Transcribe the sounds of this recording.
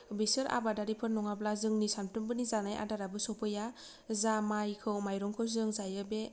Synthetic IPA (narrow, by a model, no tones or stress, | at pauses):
bisɯɾʔa̰badaɾipʰɯɾnːɔŋaplazɯŋnisantɯmbɯnizanajʔa̰daɾabɯsɔpʰɯja | zamajkʰɯwmajɾɔŋkʰɯwzɯŋzajɯbe